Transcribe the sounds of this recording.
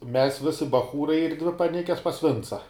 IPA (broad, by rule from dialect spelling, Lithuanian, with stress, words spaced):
ˈmʲɛs ˈʋʲɪsʲɪ bɐˈxuːrɐɪ ɪr ˈdʲʋʲɪ pɐˈnʲɪkʲɛs pɐs ˈʋʲɪnt͡sɐ